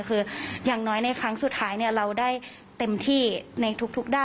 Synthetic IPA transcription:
kʰɯː˧jaː˨˩ŋnɔː˦˥jna˧jkʰɾa˦˥ŋsu˨˩t̪̚ʰaː˦˥jni˥˩ɐɾa˧wdaː˥˩j | t̪e˧mt̪ʰiː˥˩na˧jt̪ʰu˦˥k̚t̪ʰu˦˥k̚daː˥˩

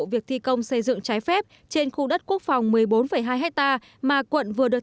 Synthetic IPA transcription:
vi˨˩ək̚t̪ʰi˧kə˧wŋ͡msə˧jzɨ̰˧˨ŋt͡ɕaː˨˦jfɛ˦˥p̚ | t͡ɕe˧nxu˧ɗə˦˥t̚ku˦˥ək̚fa˨˩wŋ͡mmɨ˨˩əjɓo˨˦nfə˧˩jɦaː˧jɦɛ˦˥k̚t̪aː˧ | maː˨˩kwə̰˧˨nvɨ˨˩əɗɨ˨˩ə

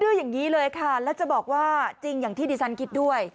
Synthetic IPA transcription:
dɯː˧˩jaː˨˩ŋːiː˦˥lɤː˧jkʰa˥˩lɛː˦˥wt͡ɕa˨˩bɔː˨˩k̚waː˥˩t͡ɕi˧ŋjaː˨˩ŋt̪ʰiː˥˩diː˧sa˦˥nkʰi˦˥t̪̚du˥˩əj

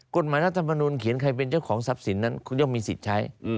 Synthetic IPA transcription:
ko˨˩t̪̚maː˨˦jɾa˥t̪ʰa˧mːa˧nuː˧nkʰi˩˦nkʰa˧jp̬e˧nt͡ɕa˥˩wkʰɔː˩˦ŋsa˦˥p̚si˩˦nːa˦˥nkʰjo˥˩ŋmiː˧si˨˩t̪̚t͡ɕʰa˦˥j

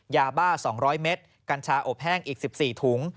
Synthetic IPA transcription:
jaː˧baː˥˩sɔː˩˦ŋɾɔː˦˥jme˦˥t̪̚ | ka˧nt͡ɕʰaː˧ʔo˨˩p̚hɛː˥˩ŋʔiː˨˩k̚si˨˩p̚siː˨˩t̪ʰuː˩˦ŋ

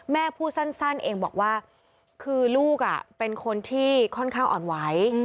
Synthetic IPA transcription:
mɛː˥˩pʰuː˥˩sa˥˩nsa˥˩nʔeː˧ŋbɔː˨˩k̚waː˥˩ | kʰɯː˧luː˥˩k̚a̰˨˩pe˧nkʰo˧nt̪ʰiː˥˩kʰɔ˥˩nkʰaː˥˩ŋʔɔː˨˩nwa˦˥j

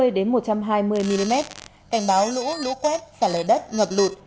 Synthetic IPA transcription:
ɨ˧əjɗe˨˦nmo˨˩t̚t͡ɕa˧mɦaː˧jmɨ˧əjmi˧li˧mɛ˦˥t̚ | ka˨˩jŋ̟ɓaː˨˦wlṵ˧˥lṵ˧˥kwɛ˦˥t̚saː˧˩ləː˨˩ɗə˦˥t̚ŋə˨˩p̚lu˨˩t̚

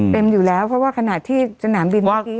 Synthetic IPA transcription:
t̪e˧mjuː˨˩lɛː˦˥wpʰɾɔ˦˥waː˥˩kʰa˧na˨˩t̪ʰːiː˥˩sa˧naː˩˦nbi˧nɔ˥˩˦

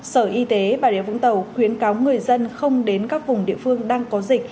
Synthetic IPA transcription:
səː˧˩ʔi˧t̪e˨˦ɓaː˨˩ɗḭ˧˨əvʊ̰˧˥ŋ͡mt̪ə˨˩wxwi˨˦ənkaː˨˦wŋɨ˨˩əjzə˧nxə˧wŋ͡mɗe˨˦nkaː˦˥k̚vʊ˨˩ŋ͡mɗḭ˧˨əfɨ˧əŋɗaː˧ŋkɔ˨˦zï˨˩k̚

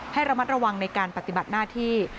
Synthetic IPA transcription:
ha˥˩jɾa˧ma˦˥t̪̚ɾa˧wa˧ŋna˧jkaː˧npa˨˩t̪i˨ba˨˩t̪̚naː˥˩t̪ʰiː˥˩

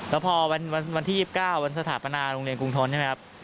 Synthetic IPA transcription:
lɛː˦˥wpʰɔː˧wa˧nwa˧nwa˧nt̪ʰiː˥˩si˨˩p̚kaː˥˩wwa˧nsa˧t̪ʰaː˩˦pa˧naː˧ɾoː˧ŋɾi˧ənku˧ŋt̪ʰo˦˥nːt͡ɕʰm˦˥kʰa˦˥p̚

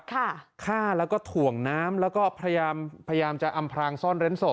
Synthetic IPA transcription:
kʰa˥˩kʰaː˥˩lɛː˦˥wkɔː˥˩t̪ʰu˨˩əŋnaː˦˥mlɛː˦˥wkɔː˥˩pʰɾa˧a˧jaː˧mpʰa˧ja˧jaː˧mt͡ɕa˨˩ʔa˧mpʰɾaː˧ŋsɔː˥˩nɾe˦˥nso˨˩

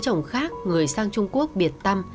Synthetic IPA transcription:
t͡ɕə̰˨˧˩wŋ͡mxaː˦˥k̚ŋɨ˨˩əjsaː˧ŋt͡ɕʊ˧ŋ͡mku˦˥ək̚ɓi˨˩ət̚t̪a˧m

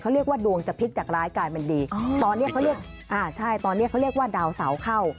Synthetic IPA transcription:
kʰa˥wɾi˥˩ək̚waː˥˩du˧əŋt͡ɕa˨˩pʰi˦˥t̪̚t͡ɕaː˨˩k̚ɾaː˦˥jkaː˧jma˧ndiː˧t̪ɔː˧nː˦˥ɐkʰa˦˥ɾi˥˩ək̚ | ʔaː˧˩t͡ɕʰa˥˩jt̪ɔː˧nːi˦˥ɐkʰa˦˥wɾi˥˩əkwaː˥˩daː˧wsa˩˦wkʰa˥˩w

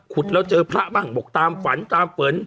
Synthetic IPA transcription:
kʰu˨˩t̪̚lɛː˦˥wt͡ɕɤː˧pʰɾa˦˥ʔbaː˥˩ŋbo˨˩k̚t̪aː˧mfa˩˦nt̪aː˧mfɤː˩˦n

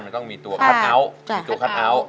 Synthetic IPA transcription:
nma˧˥nt̪ɔ˥˩ŋmiː˧t̪u˧ɐkʰa˦˥˩nʔa˦˥wi˧˩t̪u˧ɐkʰa˥˩nʔa˦˥w

